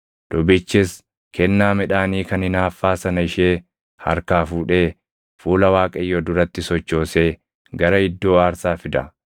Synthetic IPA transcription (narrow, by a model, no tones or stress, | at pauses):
d̪̥ɔbɪt͡ʃːɪs | kʰɛnːaːmɪᶑaːniːkɐnɪnaːfːaːsɐnɐɪʃeː | hɐ̰ɾkaːfuːᶑe̞ː | fuːlɐwaːkʼɐjːɔd̪ʊɾɐt̪ːɪsɔt͡ʃːo̞ːse̞ː | ɡɐɾɐɪd̪ːo̞ːaːɾsaːfɪd̪ɐ